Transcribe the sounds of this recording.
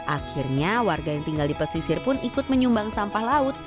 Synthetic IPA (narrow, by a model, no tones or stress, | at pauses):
ʔakirɲawarɡajaŋt̪iŋɡaldipəsisɪrpʊnikʊt̪̚məɲumbaŋsampahlaʊt̪̚